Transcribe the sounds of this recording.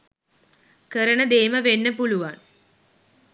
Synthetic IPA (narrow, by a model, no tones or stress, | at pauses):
kəɾəɳəd̪eːməʋenːəpuluʋan